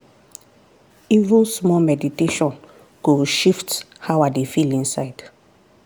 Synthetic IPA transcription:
ivulsmɔmɛditeʃɔ̃n | ɡ̥oʃift | hawadefilĩnsaɪd̥

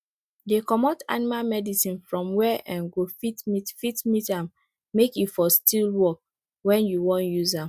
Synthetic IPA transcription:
dekɔmɔta̰nimalmɛdisĩnfɹɔ̃mwɛʔɛ̃nɡofitmitfitmitãmː | ekifɔstʰilwɔk̚ | wɛ̃njuwɔ̃njuzãm

